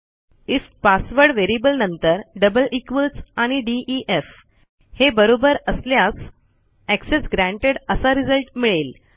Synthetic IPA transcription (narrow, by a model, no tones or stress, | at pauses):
ifpasʋəɾɽʋeɾibəlnənt̪əɾɖəbəlʔikʋət͡saɽ̃iɖiʔiʔef | hebəɾobəɾəsljas | æksesɡɾæ̃ɳʈeɽəsaɾid͡zəlʈmiɭel